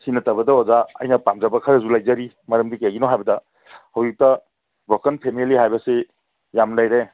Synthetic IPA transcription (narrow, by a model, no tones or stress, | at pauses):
sinɐtɐbɐdɐɔzaɐ̰jnɐpamzabɐkʰɐɾɐzulajzɐɾi | mɐɾɐmdikaɡinɔɦajbɐdɐ | hawzik̚tɐ | bʱɔkɐnpʰemiliɦajbɐse | jamlajɾe